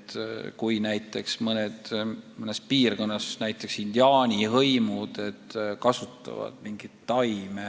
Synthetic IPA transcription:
t̪kujnæjt̪ːˑe̞ksmɤned̪̥mɤne̞spiːrɡ̥o̞nːɑsnæjt̪ˑːe̞ksind̪̥iɑːnʲiɦɤjmud̪̥e̞t̪ːkɑsut̪ːˑɑ̰vɑ̰d̪̥miŋɡ̥it̪ːɑjme

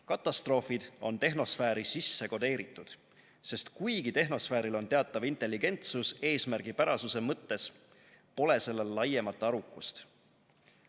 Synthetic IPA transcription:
kɑt̪ːˑɑst̪ro̞ːfid̪̥o̞nt̪e̞ɦno̞sfæːɾisisːe̞ko̞d̪e̞ːɾit̪ːˑud̪̥ | se̞st̪kujɡ̥it̪e̞ɦno̞sfæːɾilo̞nt̪e̞ɑt̪ːˑɑvint̪ˑe̞lːiɡe̞nt̪suse̞ːsmærɡ̥ipæɾɑsuse̞mɤt̪ːe̞s | po̞le̞se̞lːelːɑje̞mɑt̪ːˑɑɾukːˑust̪

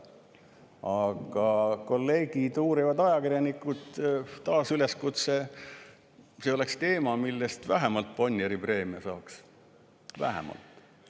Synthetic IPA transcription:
ɑɡ̥ɑko̞lːe̞ːɡid̪uːɾivɑd̪ɑjɑkirjɑnikːˑud̪̥t̪ːɑːsyle̞skut̪se | seo̞le̞kst̪e̞ːmɑmilːest̪væɦemɑlt̪̚ponʲjeɾipre̞ːmiɑsɑːks | væ̰ɦḛmɑ̰lt̪ːˑ

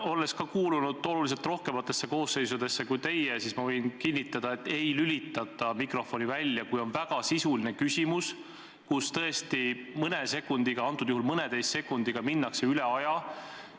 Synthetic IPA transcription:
o̞le̞skɑkuːlunud̪̥o̞lulis̬e̞lt̪ro̞hke̞mɑt̪ːˑe̞sːe̞ko̞ːsːe̞jsud̪̥e̞sːe̞kujt̪e̞jesismɑvɤjnkinːit̪ːˑɑd̪̥ɑe̞t̪ːˑe̞jlylit̪ːˑɑt̪ːˑɑmikro̞fo̞nivælʲːjɑkujo̞nvæɡ̥ɑsisuline̞kysʲimus | kust̪ɤ̞est̪imɤnese̞kːˑund̪̥iɡ̥ɑɑnt̪ːˑud̪̥uhulmɤned̪e̞jst̪ːse̞kːˑund̪̥iɡ̥ɑminːɑkse̞yleɑjɑ

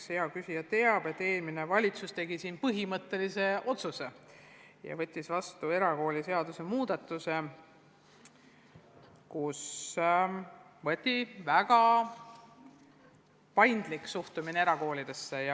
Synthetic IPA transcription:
sheɑkysijɑt̪e̞ɑb̥e̞t̪ːe̞ːlmine̞vɑlʲit̪sust̪e̞ɡ̥isiːnpɤɦimɤt̪ːˑe̞lise̞o̞t̪suse̞ | jɑ̰vɤ̞t̪ʲˑːisvɑst̪ue̞ɾɑko̞ːlʲise̞ɑd̪use̞muːd̪̥ɑt̪ːˑuse̞ | kus | vɤt̪ʲːˑivæɡ̥ɑ | pɑjnd̪liksuht̪umineeɾɑko̞ːlʲid̪̥e̞sːejɑ

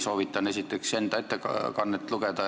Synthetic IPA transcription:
so̞ːʋit̪ːˑɑne̞sit̪ːˑekse̞nd̪ɑet̪ːˑekkɑnːet̪ːˑluɡed̪ɑ

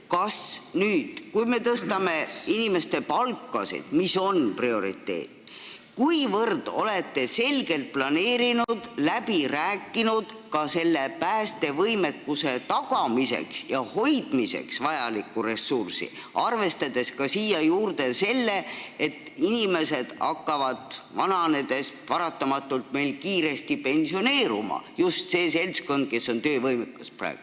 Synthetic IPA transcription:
kɑsnyːd̪̥kujme̞t̪ɤst̪ɑme̞inime̞st̪e̞pɑlkːˑɑ̰sḭd̪̥miso̞nprio̞ɾḭt̪ːe̞̰ːt̪ː | kujvɤrd̪̥o̞̰le̞t̪ːe̞se̞lɡ̥e̞lt̪̚plɑne̞ːɾinud̪̥læb̥iɾæːkˑːinud̪̥ | kɑse̞lːepæːst̪e̞vɤjme̞kːuse̞t̪ɑɡɑmise̞̰ksjɑho̞jd̪̥mise̞̰ksvɑjɑlikːure̞sːursḭ | ɑrve̞st̪ɑd̪̥e̞skɑsiːjɑjuːrd̪e̞se̞lːe̞et̪ːˑinʲime̞se̞d̪̥ɑkːɑvɑd̪̥vɑnɑned̪̥e̞spɑɾɑt̪ːɑmɑt̪ːˑult̪me̞jlkiːɾe̞st̪ipe̞nsio̞ne̞ːɾṵmɑ̰just̪se̞ːse̞lʲsko̞nd̪̥̚ke̞sːo̞nt̪øːvɤjmekːɑspræ̰ːɡ̥u

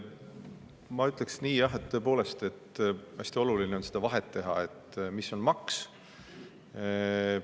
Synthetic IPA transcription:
mɑyt̪ːˑleksniːjɑɦet̪t̪ːø̞ːp̬o̞ːle̞st̪e̞t̪ːæsʲt̪io̞lulineo̞nsed̪̥ɑvɑɦe̞t̪ːe̞ɦɑ̰e̞t̪ːmisːo̞nmɑks

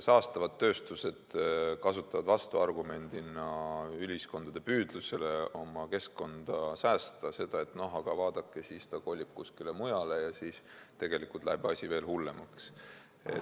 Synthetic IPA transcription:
sɑːst̪ɑvɑd̪ːø̞ːst̪use̞d̪̥kɑsut̪ːˑɑvɑd̪vɑst̪uɑrɡume̞nʲd̪̥inɑylʲisko̞nd̪̥ɑd̪̥e̞pyːd̪̥luse̞le̞o̞mɑke̞skko̞nd̪̥ɑsæːst̪ɑse̞d̪̥ɑe̞t̪ːno̞ɦɑɡ̥ɑvɑːd̪̥ɑkːˑesiːst̪ɑko̞lʲib̥̚kuskile̞mujɑle̞jɑsiːst̪e̞ɡ̥e̞likult̪læ̰ebɑsʲive̞ːlhulːe̞mɑks | ḛ

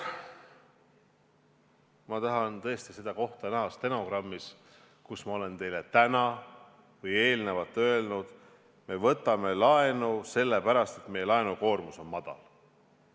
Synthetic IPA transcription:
mɑt̪ɑɦɑnt̪ɤ̞est̪ise̞d̪̥ɑko̞ht̪ɑnæɦɑst̪e̞nokrɑmːis | kusmɑo̞le̞nt̪e̞jle̞t̪ænɑ | vɤje̞ːlnevɑt̪ːˑø̞e̞lnud̪̥ | me̞vɤ̞t̪ːˑɑme̞lɑe̞nuse̞lːe̞pæɾɑst̪e̞t̪me̞jelɑenuko̞ːrmuso̞nmɑd̪̥ɑ̰l

